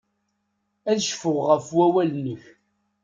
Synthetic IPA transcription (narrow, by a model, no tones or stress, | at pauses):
æðʃfʊʁʁəfwæwælnəç